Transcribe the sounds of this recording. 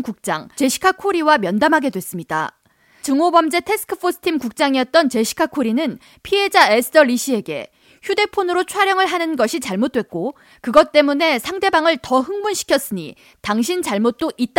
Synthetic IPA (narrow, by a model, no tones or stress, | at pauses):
kuk̚t͡ɕ͈a̰ŋt͡ɕe̞ɕʰi̥kʰakʰoɾiwamjʌndamɦaɡe̞dwe̞s͈ɯmɲida̰ | t͡ɕɯŋobʌmd͡ʑe̞tʰe̞sʰɯ̥kʰɯpʰosʰɯ̥tʰimkuk̚t͡ɕ͈aŋiʌt̚t͈ʌnt͡ɕe̞ɕʰi̥kʰakʰoɾinɯn | pʰiɦe̞d͡ʑaesʰɯ̥tʰʌɾiɕʰie̞ɡe̞̰ | çjude̞pʰonɯɾot͡ɕʰwaɾjʌŋɯɭɦanɯnɡʌɕʰit͡ɕaɭmot̚t͈we̞t̚k͈o | kɯɡʌt̚t͈e̞mune̞sʰaŋde̞baŋɯɭtʌɦɯŋmunɕʰi̥kʰjʌs͈ɯɲḭ | taŋɕ̬ʰint͡ɕaɭmot̚t͈oʔit̚t͈a